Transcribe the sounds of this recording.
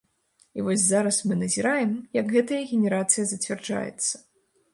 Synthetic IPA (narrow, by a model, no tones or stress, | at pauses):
ivɔsʲzaɾɐsmɨnɐzʲiɾajɛmjɐɡɣɛt̪ɐjɐɣʲenʲɛɾat̪sɨjɐzɐt͡sʲvʲɛrd͡ʐa̰jɛ̰t̪sːɐ̥